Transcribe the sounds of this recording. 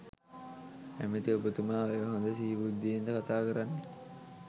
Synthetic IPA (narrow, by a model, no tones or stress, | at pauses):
æmet̪iobət̪umaːeʋəɦond̪əsiibud̪ːiend̪əkat̪aːkəɾanːe